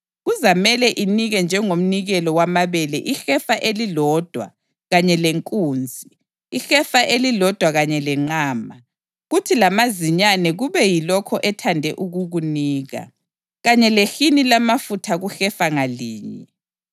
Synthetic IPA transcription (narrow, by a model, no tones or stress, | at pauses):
ɣuzamɛlɛʔiniɣɛnd͡ʒʱɛŋom̩niɣɛlɔwamaβɛlɛʔixɛfaʔelilɔd̥ʱwa̰ | ɣaɲɛleŋkʼuːnd͡zʱi | ixɛfaʔelilɔd̥ʱwaɣaɲɛlɛŋ͡ǀaːma | ɣutʰilamaziɲanɛɣuβɛjilɔkʰɔʔɛtʰandʱɛ̰ʔuɣuɣuniːɣa̰ | ɣaɲɛlexinilamafutʰaɣuxɛfaŋaliːɲɛ